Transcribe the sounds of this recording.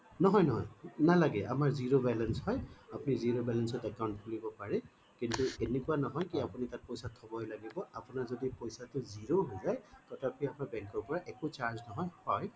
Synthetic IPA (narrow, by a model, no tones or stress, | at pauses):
nɔɦɔjnɔɦɔjnalaɡɛamaɹziɹobɛlɛnshɔjapʊniziɹobɛlɛnsɔtɛkaw̃ntkʰulibɔpaɹɛ | kintuenekʊanɔɦɔjkiapunitat̚pɔjsatʰːɔbɔjlaɡibɔapʊnaɹzodipɔjsatʊziɹoɦojzajtɔtʰapʰiamaɹbɛŋkɔɹpɔɹaʔɛkut͡ʃaɹznɔɦɔjhɔj